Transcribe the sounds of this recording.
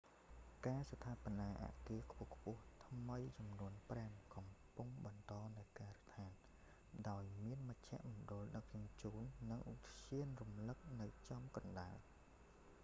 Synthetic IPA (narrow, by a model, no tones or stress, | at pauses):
kaːsat̪ʰaːponaːʔa̰ːʔkiəkʰpʊ̆əhkʰpʊ̆əht̪ʰməjt͡ɕɑmnuənpraəmkɑmpuŋɓɑnt̪ɑːnɨwkaːrət̪ʰaːn | ɗaɔjmiənməc̚t͡ɕʰɛ̆əʔmoɗʊ̆əlɗək̚t͡ɕuənt͡ɕuːnːɨŋʔut̪t͡ɕiənrumlɨk̚nɨwt͡ɕɑmkɑnɗaəl